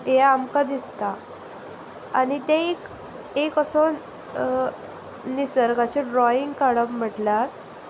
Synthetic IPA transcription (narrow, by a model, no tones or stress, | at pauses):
jaamkad̪ist̪a | anit̪ẽek | ekəson | nisəɾɡat͡ɕiɖɾɔiŋɡkaɽəbm̤əʈlaɾ